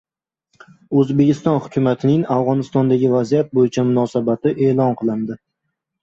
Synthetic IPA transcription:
ɵzbe̞kʲʰɪst̪ɒnhʊ̥kʲʰʊmat̪ʰɪnɪŋafʁɒnɪst̪ɒnd̪aɡʲɪvazijat̪̚bojɪt͡ʃʰamʊnɒsabat̪ɪʔe̞ːlˠɒnqʰɨlˠɪnd̪ɪ

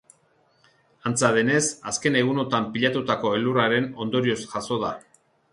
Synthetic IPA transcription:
ant͡saðe̞ne̞saske̞ne̞ɣ̞uno̞t̪ampiʎat̪ut̪ako̞e̞luraɾe̞no̞nd̪o̞ɾio̞sʝaso̞ða

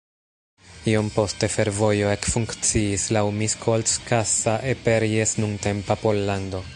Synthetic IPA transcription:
io̞mpo̞ste̞fe̞ɾvo̞jo̞e̞kfuŋkt͡siːslawmiskʰolskʰasaʔepeɾiesnunte̞mpapo̞lːando̞

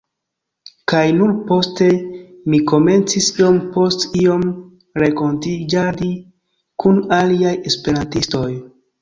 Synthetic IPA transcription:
kajnuɾpo̞ste̞miko̞me̞nt͡sisio̞mpo̞stio̞m | ɾeko̞ntid͡ʒadi | kunaliaje̞spe̞ɾantisto̞j

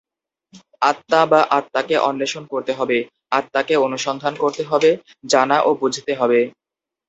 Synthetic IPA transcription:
at̪ːabaʔat̪ːakeʔɔnːeʃonkoɾt̪eɦɔbe | at̪ːakeonuʃɔnd̪ʱankoɾt̪eɦɔbe | d͡ʑanaʔobud͡ʑʱit̪eɦɔbe

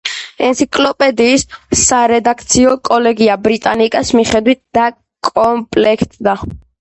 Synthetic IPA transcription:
ɛnt̪sʰikʼlɔpʼɛd̪iːsːaɾɛd̪akʰt̪sʰiɔkʼɔlɛɡiabɾit̪ʼanikʼasmiχɛd̪wit̪̚d̪̥a | kʼɔmpʼlɛkʰt̪ʼd̪a

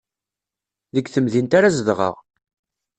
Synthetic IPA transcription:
ðəɡθəmðint̪aɾazəðʁə̰ʁ

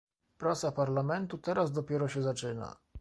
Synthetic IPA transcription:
pɾat̪sapaɾlamɛnt̪ut̪ɛɾazd̪ɔpʲjɛɾɔɕɛzat͡ʂɘna̰

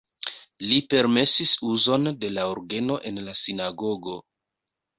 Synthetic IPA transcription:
lipe̞ɾme̞sisuzo̞nde̞laoɾɡe̞no̞ʔe̞nlasinaɡo̞ɡo̞

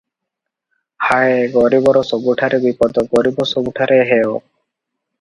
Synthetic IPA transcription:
haeɡɔɾibɔɾɔsɔbuʈʰaɾebipɔd̪ɔɡɔɾibɔsɔbuʈʰaɾeɦɛo

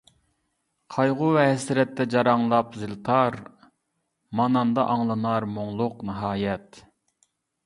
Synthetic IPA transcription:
qʰɑjʁʊvɛɦɛsɾɛt̪ʰːɛd͡ʒɑɾɑŋlˠɑpzɨlt̪ʰɑɾ | mɑnɑnd̪ɑʔɑŋlˠɨnɑɾmoŋlˠʊqnɨɦɑːjɛt̪

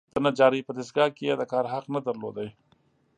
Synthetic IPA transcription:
t̪ɐnad͡ʒaːɾipəd̪ɪsɡaːkead̪akaːɾɦɐqnɐd̪ɐɾlo̰ːd̪aj

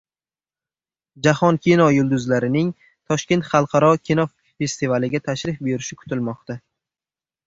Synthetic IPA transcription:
d͡ʒahɒnkʲʰinɒjʊlˠd̪ʊzlaɾɪnɪŋ | t̪ʰɒʃkʲe̞nt̪χɑlˠqʰɑɾɒkʲʰinɒ | fe̞st̪ivalɪɡʲat̪ʰaʃɾɪfbe̞ɾɪʃɪkʰʊ̥t̪ʰɪlmɒqt̪a

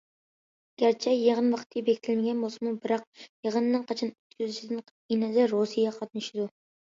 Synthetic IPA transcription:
ɡ̥ʲæɾt͡ʃʰɛjeʁənvɑqʰt̪ʰːjbekʲt̪ʰɪlmɪɡʲɛnbosɨmubɪɾɑq̚jeʁənːɨnqʰɑt͡ʃʰɑnyt̪kʲyzyʃid̪ɪn | inɪd̪ɪɾosijɑqʰɑt̪̚nɪʃɪd̪u

